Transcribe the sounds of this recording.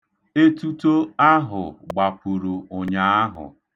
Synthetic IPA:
e˦tu˦to˦a˦ɦʊ˨ɡ͡ba˨pu˨ɾu˨o˨ɲa˦a˦ɦʊ̰˨

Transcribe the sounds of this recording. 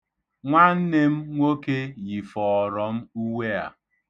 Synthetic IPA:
ŋʷa˦n̩˦ne˦m̩˦ŋʷo˦ke˦ji˨fɔ˨ɔ˨ɾɔ˨m̩˦u˦wʷe˦a̰˨

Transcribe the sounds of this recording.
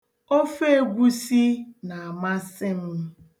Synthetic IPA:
o˦fe˦˨ɡʷu˦si˦na˨a˨ma˦sɪ˦m̩˦

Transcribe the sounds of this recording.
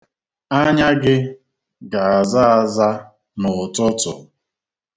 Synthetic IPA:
a˦ɲa˦ɡɪ˦ | ɡa˨a˨za˦a˨za˦ | nʊ˨ʊ˨tʊ˦tʊ̰˨

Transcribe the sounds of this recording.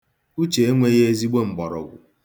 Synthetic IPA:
u˦t͡ʃe˨e˦ŋʷe˦ɣe˦e˦zi˦ɡ͡be˦ŋ͡m̩˨ɡ͡bɔ˨ɾɔ̰˨ɡʷʊ̰˨

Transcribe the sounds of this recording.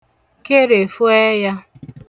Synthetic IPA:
ke˦ɾe˨fu˦e˦ja˦

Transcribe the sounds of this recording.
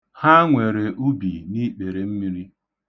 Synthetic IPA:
ha˦ŋʷe˨ɾe˨ʔu˦bḭ˨ni˦k͡pe˨ɾe˨m̩˦mi˦ɾi˦

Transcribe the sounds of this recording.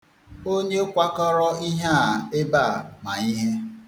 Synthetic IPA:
o˦ɲe˦o˦kʷa˦kɔ˦ɾɔ˦i˦ɦa˦a˨e˦ba˦˨ma˨i˦ɦe˦

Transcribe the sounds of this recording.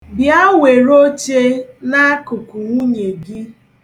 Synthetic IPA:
bja˦we˨ɾo˦t͡ʃe˦na˦kʊ˨kʊ˨ŋʷu˦ɲe˨ɡɪ˦

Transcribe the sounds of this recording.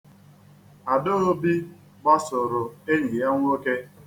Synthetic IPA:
a˨do˦o˦bi˦ | ɡ͡ba˦sʊ˨ɾʊ˨e˦ɲi˨ja˦ŋʷ˦o˦ke˦

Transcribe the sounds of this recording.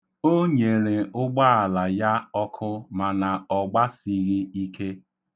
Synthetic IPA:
o˦ɲe˨ɾe˨ʊ˦ɡ͡ba˦a˨la˨ja˦ɔ˦kʰʊ˦ma˨na˨ɔ˨ɡ͡ba˦si˦ɣi˦i˦kʰe˦

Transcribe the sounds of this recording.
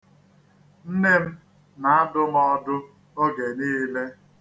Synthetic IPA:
n̩˦ne˦m̩˦ | na˨a˦dʊ˦mɔ˦dʊ˦ | o˦ɡe˨niː˦le˦

